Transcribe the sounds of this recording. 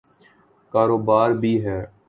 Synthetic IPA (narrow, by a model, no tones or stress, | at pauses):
kaːɾoːbaːɾbʱiːɦɛː